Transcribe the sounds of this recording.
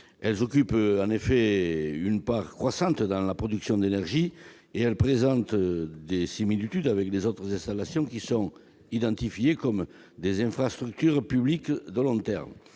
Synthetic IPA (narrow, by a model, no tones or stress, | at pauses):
ɛlzɔkypɑ̃nefeynpaʁkχwasɑ̃t̪d̪ɑ̃lapχɔd̪yksjɔ̃d̪enɛʁʒi | eɛlpχezɑ̃nt̪d̪esimilit̪yd̪avɛklezot̪χəzɛ̃st̪alasjɔ̃kisɔ̃ŋ | id̪ɑ̃nt̪ifjekɔm | d̪ezɛ̃fχast̪χyk̚t̪yʁpyblikd̪əlɔ̃t̪ɛ̰ʁm